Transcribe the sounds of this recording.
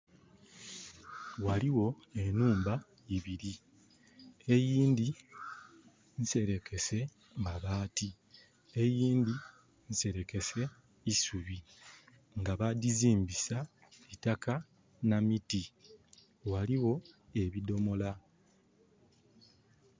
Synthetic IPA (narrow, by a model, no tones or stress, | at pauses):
waliwo̞ | e̞nuːmba | iβiɾi | ejiːnd̪i | nse̞ɾe̞ke̞se̞ | ŋaβaːti | ejiːnd̪i | nse̞ɾe̞ke̞se̞ | isuβi | ŋɡaβadiziːmbisa | itaka | namiti | waliwo̞e̞βido̞mo̞la